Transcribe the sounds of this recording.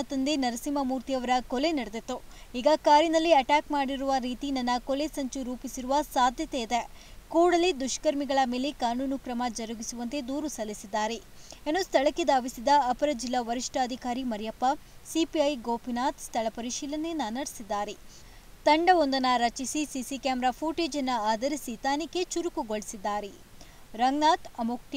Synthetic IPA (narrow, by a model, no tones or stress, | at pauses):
ɐt̪ɐnd̪enɐɾɐsimɐmuːɾt̪iɐʋɐɾɐkole̞nɐɽed̪et̪ːuiːɡɐkaːɾjinɐlːiɐʈaːkmaːɽiɾuʋɐɾiːt̪inɐnːɐkole̞sɐɲt͡ʃuɾuːpisiɾuʋɐsaːd̪ʱjɐt̪eid̪e | kuːɽɐlid̪uʃkɐɾmiɡɐɭɐme̞ːlekaːnuːnukɾɐmɐd͡ʒɐɾuɡisuʋɐnt̪e̞d̪uːɾusɐlːisid̪ːaːɾe | ɐnːust̪ʰɐɭɐkːed̪aːʋisid̪ɐɐpɐɾɐd͡ʒilːɐʋɐɾiʂʈɐːd̪ʱikaːɾimɐɾijɐpːɐsipiɐjɡoːpinaːt̪st̪ʰɐɭɐpɐɾiʃiːlɐnenːɐnɐɽisid̪ːaːɾe | t̪ɐɳɖɐond̪ɐnɐɾɐt͡ʃisisisikaːmɾaːpʰuːʈeːd͡ʒɐnːɐaːd̪ɐɾisit̪aːnikːe̞t͡ʃuɾukuɡoɭisid̪ːaːɾe | ɾɐŋnaːt̪ɐmukʈ